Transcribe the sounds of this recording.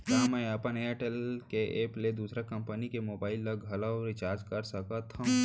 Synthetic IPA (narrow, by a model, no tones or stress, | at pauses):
t̪amə̃ẽɐpəneʈelkeʔeːpled̪uːsɾakɐ̃mpənikemoːbaːɪlːɐɡʱɐlawɾɪt͡ʃaːɾd͡ʒkɐɾsɐkət̪ʰɐ̃